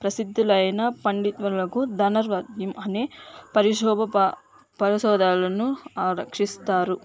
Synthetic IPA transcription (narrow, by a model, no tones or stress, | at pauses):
pɾɐsid̪ʱːulɐjɐnɐpɐɳɖit̪ʋɐlɐkud̪ʱɐnɐɾʋɐd̪jɐmɐnepɐɾiʂɔːbʱɐ | pɐɾiʃɔːd̪ʱaːlɐnuaːɾɐkʂist̪aːɾu